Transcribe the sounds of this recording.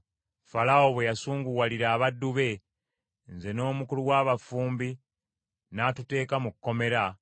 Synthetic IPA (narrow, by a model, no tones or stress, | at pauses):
falao̞βwejasuːŋɡuwaliɾaːβadːuβe̞ | nze̞no̞ːmukuluwaːβafuːmbi | naːtute̞ːkamukukːo̞me̞ɾa